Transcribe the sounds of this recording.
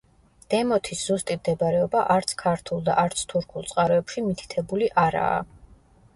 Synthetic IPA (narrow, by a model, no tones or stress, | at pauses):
d̪̥ɛmɔt̪ʰisz̥ust̪ʼimd̪ɛbaɾɛɔbaʔaɾt̪sʰkʰaɾt̪ʰulˠd̪a̰ʔaɾt̪sʰt̪ʰuɾkʰulˠt̪sʼqʼaɾɔɛpʃimit̪ʰi̥t̪ʰɛbuliʔaɾa̰ː